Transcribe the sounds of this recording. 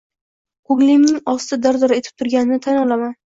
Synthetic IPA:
qoɡlimnɪŋɒst̪ɪd̪aɾd̪ɒɾae̞t̪ʰɪ̥p̚t̪ʰʊɾɡʲanɪnɪt̪ʰanɒlˠaman

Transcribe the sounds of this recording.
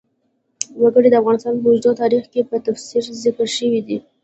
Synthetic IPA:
wəɡəɽid̪əafɣɑnɪst̪ɑnpəod͡ʒd̪ɑt̪ɑɾixkepət̪afsiɾzɪkəɾʃəwid̪i

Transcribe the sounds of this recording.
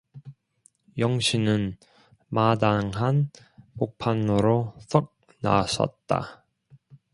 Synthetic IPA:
jʌŋɕʰinɯn | madaŋɦan | pok̚pʰanːoɾosʰʌk̚ | na̰sʰʌ̰t̚t͈a̰

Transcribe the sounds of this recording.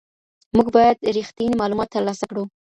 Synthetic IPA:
muɡbɑjad̪ɾixt̪inimɑlumɑt̪ːəɾlɑsakɽu

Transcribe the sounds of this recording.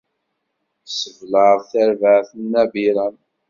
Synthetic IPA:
səvləθəɾvəʕθənːæviɾɑn

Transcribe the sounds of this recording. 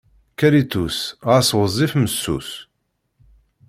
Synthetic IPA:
kæɾit̪usʁaswəzˤifməsːṵs

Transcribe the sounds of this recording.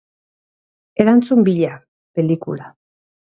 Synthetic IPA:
e̞ɾant͡sumbiʎa | pe̞likṵla

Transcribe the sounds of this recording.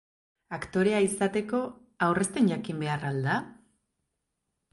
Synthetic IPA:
akt̪o̞ɾe̞aisat̪e̞ko̞ | awre̞st̪eɲʝakimbe̞arald̪a

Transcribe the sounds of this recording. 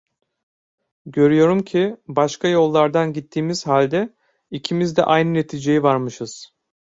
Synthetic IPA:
ɟø̞ɾyjo̞ɾumcʰibaʃkʰajo̞lˠːaɾd̪anɟit̪ʰːiːmiz̥ɦalʲd̪ɛ | icʰimizd̪ɛ̰ʔajnɯne̞t̪ʰiːd͡ʒe̞jivaɾmɯʃɯz̥

